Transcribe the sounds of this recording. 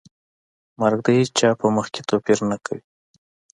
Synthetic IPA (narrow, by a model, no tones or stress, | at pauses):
maɾɡ̚d̪əhet͡ʃt͡ʃɑpəməxke̥t̪opiɾnəkʰawi